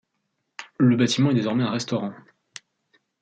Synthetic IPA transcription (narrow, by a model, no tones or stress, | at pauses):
ləbat̪imɑ̃ɛd̪ezɔʁmɛɛ̃ʁɛst̪ɔʁɑ̃